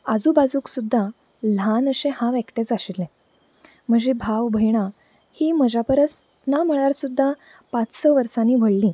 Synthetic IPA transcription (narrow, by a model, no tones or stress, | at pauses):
əd͡zuːbad͡zũːksud̪ʱːa | l̤anəɕẽhãʋɛkʈet͡saɕilɛ̃ | m̤əɳd͡ʑebʱaʋbʱəjɽ̃a | hiːməd͡ʑapəɾət͡s | nam̤əɭaɾsud̪ʱːa | pãt͡ssəʋəɾsaniːbʱəɭlĩː